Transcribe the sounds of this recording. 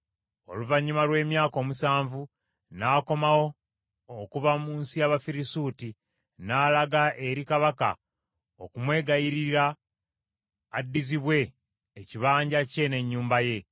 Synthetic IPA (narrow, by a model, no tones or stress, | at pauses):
o̞̰luvaɲːimalwe̞ːmjaːko̞ːmusaːɱvu | naːko̞mawo̞ː | kuvamuːnsijaβafiɾisuːti | naːlaɡaʔe̞ɾikaβaka̰ | o̞kumwe̞ːɡajiɾiɾa | dːiziβwe̞ː | ciβaːɲɟace̞ne̞ɲːuːmbaje̞